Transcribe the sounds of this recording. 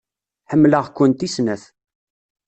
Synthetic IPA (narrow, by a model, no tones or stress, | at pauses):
ħəmːləʁkʷːʊnt̪isnæθ